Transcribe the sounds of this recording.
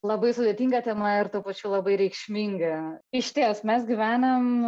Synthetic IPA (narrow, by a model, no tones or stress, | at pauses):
lˠɐbɐɪsʊd̪ʲeːt̪ʲiːŋɡɐt̪ʲɛmɐɪrt̪uːpɐt͡ʃʲuːlˠɐbɐɪɾʲɛɪkʃʲmʲiŋɡɐɪʃʲt̪ʲiɛsmʲɛsɡʲɪʋʲæːnɐm